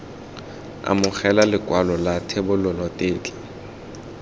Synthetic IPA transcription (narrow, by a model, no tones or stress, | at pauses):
a̰mʊχɛlalɪkʼwalɔlatʰebʊlʊlɔtʼɪːt͡ɬʼḁ